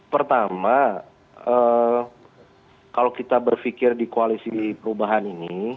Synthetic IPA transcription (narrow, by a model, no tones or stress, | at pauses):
pərt̪ama | ə | kalokit̪abərfikɪrdikoalisipəɾubaɦanini